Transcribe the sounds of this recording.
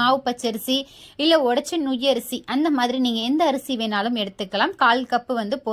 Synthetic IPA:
aːʋɯpːɐt͡ʃːɐɾɯsi | ɪlːɐɔɽɐt͡ʃːɐnʊjːɐɾɯsiʔɐnd̪ɐmaːðɪɾiniːŋɡɐɛnd̪ɐːɾɯsiʋeːnaːlɯmɛɽɯt̪ːɯkːɐlaːmkaːlkɐpːɯʋɐnd̪ɯpoː

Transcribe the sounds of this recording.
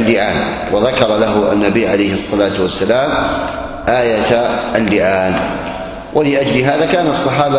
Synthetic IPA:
lːɪʕaːn | waðakɑɾˤɑlaɦʊʔa̰nːabiːʕalajhɑsˤːɑlaːt̪wasːalaːm | ʔaːjat̪ʔalːɪʕaːn | wʔalɪʔad͡ʒlɪɦaːðaːkaːnaɑsˤːɑħɑːba

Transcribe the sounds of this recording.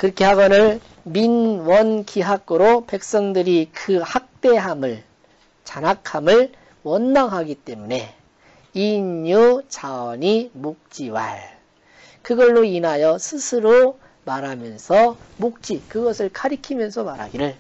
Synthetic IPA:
kɯɾʌkʰe̞haɡʌnɯɭ | minwʌnkiɦaɡɯɾope̞k̚s͈ʌŋdɯɾikɯhak̚t͈e̞ɦamɯɭ | t͡ɕanakʰamɯɭ | wʌnmaŋɦaɡit͈e̞mune̞ | iɲut͡ɕaʌɲimok̚t͡ɕ͈iwa̰ɭ | kɯɡʌɭːoinajʌsʰɯsʰɯɾo | maɾamjʌnsʰʌmok̚t͡ɕ͈ikɯɡʌsʰɯɭkʰaɾikʰimjʌnsʰʌmaɾa̰ɡiɾɯɭ

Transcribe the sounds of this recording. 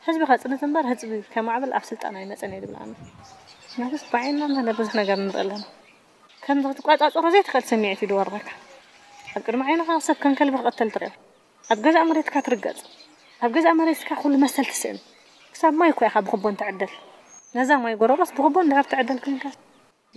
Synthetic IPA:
ħɨzbixat͡sʼɨnːɐt̪ʰɨnbɐɾhɨt͡sʼβikʰɐmaʕβɐlʔa̰βsɨlt̪ʼa̰najnɐt͡sʼɐned̪ɨβɨla̰nːa | nɐɡɨst̪baʕinːananabɨzuħnɐɡɐɾɨnːɨɾʔɐ̰lːɐna | kʰɐmzɨɨt̪ʰɨkʼat͡sʼat͡sʼɐɾozejt̪ʰɨ̥xʔɨlsɐmːiʕt̪id̪ɨwɐɾmɐkʰːḁ | ʔaβkʼɨd̪miʕajnɐkʰasɐβkʰɐŋkʰɐlbɨxɨxʼɐt̪ʰːɐlt̪ʰɨɾɐ̰j | ʔaβɡɐzaʔmɐɾet̪kʰat̪ʰɨɾɨɡɐ̰t͡sʼ | ʔaβɡɐzaʔmɐɾet̪kʰaxulːumɐst̪ʰɐlt̪ʰɨ̥sɨ̰ʔɨ̰n | kʰɨ̥saβmajkʰojakʰabɨxɨbːont̪ʰɨʕɨd̪ːɐl | nɐzamajɡoɾɐɾosbɨxɨbond̪ɨħɨɾt̪ʰɨʕɨd̪ːɐlkʰɨŋkʰas

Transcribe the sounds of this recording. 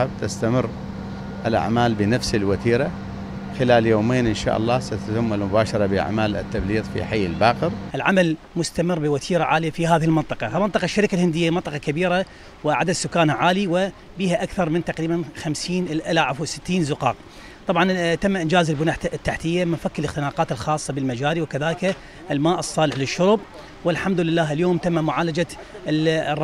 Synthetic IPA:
abt̪ast̪amɪrː | ʔɪlʔa̰ʕmaːlbɪnafsɪlwat̪iːɾa | xɪlaːljoːmeːnʔɪnʃa̰ːʔɑ̰lˤːɑːsat̪at̪ɪmːalmʊbaːʃɑɾˤɑbɪʔa̰ʕmaːlɪ̰t̪ːabliːðˤfḭħajːɪlbaːqɪɾʔɪlʕamal | mʊst̪amɪrːbɪwat̪ʰiːɾaʕaːlɪjafihaːðɪhɪlmɪnt̪ˤɨqɑmɪnt̪ˤɨqɑʃːaɾɪkalhɪnd̪ɪjːamɪnt̪ˤɨqɑkabiːɾa | wɪʕa̰d̪ad̪sʊkːaːnhaʕaːliwɪ | biːhaʔakθɑɾˤmɪnt̪ɑqɾiːbanxamsiːnlʔalaʕafwsɪ̥t̪ːiːnzʊqɑːq̚ | t̪ˤɑbʕɑnt̪amːaʔɪnd͡ʒaːzɪlbʊnaːħt̪ːaħt̪ɪjːamɪnfakːɪlɪxt̪ɪnaːqɑːt̪ɪlxɑːsˤːɑbɪlmad͡ʒaːɾiwɪkaðaːlɪka | ʔɪlmaːʔɨsˤːɑːlɪħlɪʃːʊɾb̚ | wɪlħamd̪ʊlɪlːaːɦɪljoːmt̪amːamʊʕaːlad͡ʒa | rˤ

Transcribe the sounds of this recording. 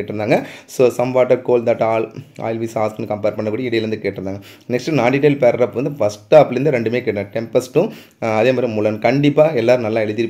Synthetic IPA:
eːʈːɾɯnd̪aːŋɡɐsoːsɐmʋaːʈːɐɾkoːld̪aːʈːaːla̰ːjɪlʋiːsaːsknkɐmpeːɾpɐɳːɐkːuːɽɐjɪɽɐjɪlɾɐnd̪ɯkeːʈːɾɯnd̪aːŋɡɐ | nɛksʈɯnaːɖiʈːɐɪlpeːɾɾɐːpːʋɐnd̪ɯfɐsʈaːpɪlɪɾnd̪ɯɾɛɳɖɯmeːkeːʈːɡɐʈɛmpɐsʈʊ̃ | ɐðeːmaːd̪ɾimʊːlɐnkɐɳɖɪpːaːɛlːaːɾɯ̃nɐlːãːɛɻɯðɪɾɯpː

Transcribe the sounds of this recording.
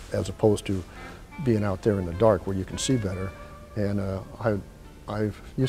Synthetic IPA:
ɨzəpʰoʊztʰɨ | biɪ̃ŋaʊt̪̚ðə˞ɨ̃nðɨdɑɹkwə˞jɨkʰn̩sibɛɾə˞ | ɨ̃naɪ | aɪjʉ

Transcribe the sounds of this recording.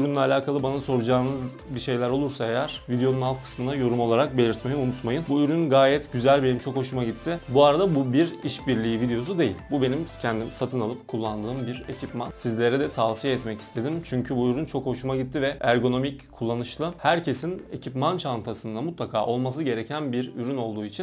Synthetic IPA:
yɾynlʲɛalʲaːkʰalˠɯbanaso̞ɾud͡ʒaːnɯz | biʃe̞jlʲæɾo̞lˠuɾsaejæɾ̥vid̪eonunalˠt̪kʰɯ̥smɯnd̪ajo̞ɾumo̞lˠaɾak̚be̞lʲiɾt̪me̞jiunut̪majɯnbuyɾynɡaːjɛt̪ɟyzælʲbe̞nimt͡ʃʰo̞kho̞ʃumaɟit̪ʰːibuaɾad̪abubiɾiʃbiɾlʲiːvid̪ejo̞s̬ud̪e̞jḭlʲbube̞nimcʰɛnd̪imsat̪ʰɯnalˠɯp̚kʰulˠːand̪ɯːmbiɾe̞cʰipmansizlʲe̞ɾɛd̪ɛt̪ʰavsijaɛt̪mɛci̥st̪ʰe̞d̪imt͡ʃʰyɲcʰybuyɾynt͡ʃʰo̞kho̞ʃumaɟit̪ʰːivɛæɾɡo̞no̞micʰːulˠːanɯʃlˠɯhæɾcʰe̞sine̞cʰipmant͡ʃʰant̪ʰasɯnd̪amut̪lˠakʰaːʔo̞lˠmas̬ɯɟe̞ɾecʰænbiɾyɾyno̞lˠd̪uːit͡ʃʰin

